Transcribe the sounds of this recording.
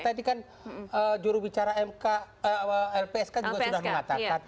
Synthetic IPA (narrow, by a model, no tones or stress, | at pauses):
t̪adikan | əd͡ʒuɾuhbit͡ʃaɾaɛmka | əəɛlpeɛskand͡ʒuɡasudahməŋat̪aka